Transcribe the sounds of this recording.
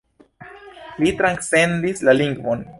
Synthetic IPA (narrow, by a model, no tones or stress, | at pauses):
litɾansend̪islaliŋɡvo̞n